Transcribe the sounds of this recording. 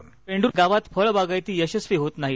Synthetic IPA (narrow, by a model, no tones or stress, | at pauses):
peɳɖuːɡaʋat̪fəɭbaɡajt̪iːjəɕəsʋiːɦot̪naɦi